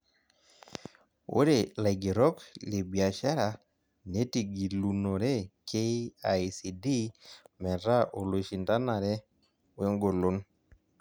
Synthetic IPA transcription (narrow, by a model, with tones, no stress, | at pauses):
o̰˦ɾe˦˨la˨ɡe˨ɾɔ˦kle˨bi˨a˨ʃa˦ɾa˨ | ne˦ti˨ɡi˨lu˨no˨ɾɛ˦kʰe˦a˨si˨di˦mɛ˨ɾa˦ʔo˨lo˨ʃi˨nta˦na˨ɾɛ˦ | we˦ŋɡo˨lo˦n